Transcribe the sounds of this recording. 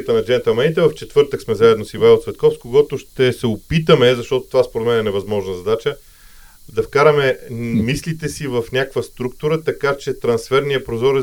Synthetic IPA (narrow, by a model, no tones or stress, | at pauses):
ət̪ənɐd͡ʒɛnt̪ɛlˠmanit̪ɛvɐft͡ʃɛt̪vɤɾt̪əksmɛzaɛd̪nosivaiot̪svɛt̪̚kɔfskoɡɔt̪ʊʃt̪ɛsɛopit̪əmɛzɐʃt̪ɔt̪o̥t̪ovaspoɾɛt̪mɛnɛnɛvɐzmɔʒnəzɐd̪at͡ʃə | d̪ɐfkaɾəmɛmislit̪ɛsivəfnʲakkvəst̪ɾuk̚t̪uɾət̪ɐkat͡ʃɛt̪ɾɐnsfɛɾniəpɾozɔɾɛ